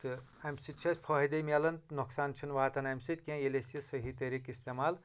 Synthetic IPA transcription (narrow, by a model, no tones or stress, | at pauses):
t̪ɨ | ɐmsit̪̚t͡ʃʰɐsʲpʰɔɦid̪ɐmʲelɐnnoksaːnt͡ʃʰinʋaːt̪ɐnɐmsit̪ʲkʲẽjelesjɐsɐɦit̪eɾikist̪emaːl